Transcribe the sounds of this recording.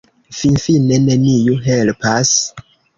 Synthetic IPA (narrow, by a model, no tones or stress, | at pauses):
finfinenenijuɦelpas